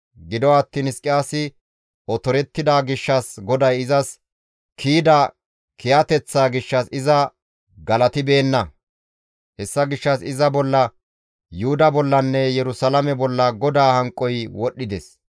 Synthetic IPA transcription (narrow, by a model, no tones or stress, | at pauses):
ɡɪd̪ɔwːt̪ːiːnɪskʼːɪjaːsɪ | ɔt̪ɔɾɛt̪ːɪd̪aːɡɪʃːɐsɡɔd̪ɐjɪzɐs | kʰiːd̪ɐ | kɪjɐt̪ɛt͡sːaːɡɪʃːɐsɪzɐ | ɡɐlɐt̪ɪbe̞ːnːɐ | hɛsːɐɡɪʃːɐsɪzɐbɔlːɐ | jʊhʊd̪ɐbɔlːɐnːɛjɛɾʊsɐlɐmɛbɔlːɐɡɔd̪aːhɐŋkʼːɔjwɔɗːɪd̪ɛs